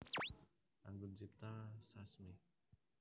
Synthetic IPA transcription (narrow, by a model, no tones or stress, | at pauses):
ʔa̰ŋɡunsip̚t̪asasme